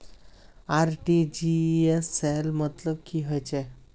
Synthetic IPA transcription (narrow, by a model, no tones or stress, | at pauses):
aɾʈid͡ʑieselmət̪ləb̚kiːɦɔjt͡ɕe